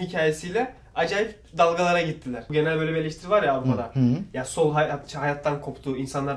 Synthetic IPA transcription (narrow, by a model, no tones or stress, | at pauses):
hicʰaːjesijlʲɛ | ad͡ʒaːjip | d̪alˠɡalˠaɾaɟit̪ʰːilʲæɾ̥ɟe̞nælʲbølʲebielʲeʃt̪ʰiɾivaɾjaːvɾupʰad̪ajaso̞lˠɦat͡ʃʰhajat̪ʰːankʰo̞pt̪ʰuːinsanlˠaɾ